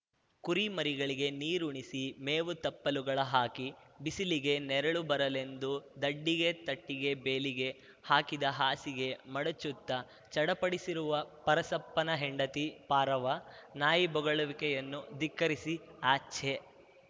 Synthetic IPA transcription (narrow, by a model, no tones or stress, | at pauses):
kuɾimɐɾiɡɐɭiɡe̞niːɾuɳisimeːʋut̪ɐpːɐluɡɐɭɐɦaːkibisiliɡe̞nɛɾɐɭubɐɾɐle̞nd̪ud̪ɐɖːiɡe̞t̪ɐʈːiɡe̞beːliɡe̞ | haːkid̪ɐɦaːsiɡe̞mɐɽɐt͡ʃːut̪ːɐ | t͡ʃɐɽɐpɐɽisiɾuʋɐpɐɾɐsɐpːɐnɐɦeɳɖɐt̪ipaːɾɐʋɐnaːjibɔɡɐɭɐʋikɛjɐnːud̪ikːɐɾisiaːt͡ʃʰe